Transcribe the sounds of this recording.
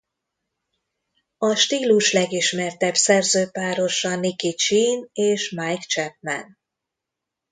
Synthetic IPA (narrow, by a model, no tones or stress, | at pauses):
ɒʃt̪iːluʃlɛɡiʃmɛrt̪ɛbsɛrzøːpaːɾo̞ʃɒnikit͡ʃiːneːʃmajkt͡ʃɛp̚mɛ̰n